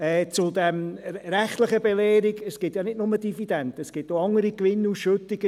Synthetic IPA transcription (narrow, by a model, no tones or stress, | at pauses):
ɛːt͡sʊd̪ɛmɾæχtləχəbelɛːɾiɡəsɡ̥ɪtjɑnɪdnʊməd̥ifid̥̪ɛnt̪əəsɡ̥ɪtoɑŋəɾikʋɪnːuːsʃøt̪ːiɡ̥ə